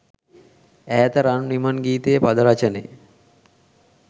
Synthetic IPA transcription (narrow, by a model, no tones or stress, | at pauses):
æːt̪əɾannimanɡiːt̪ejəpad̪əɾat͡ʃənejə̰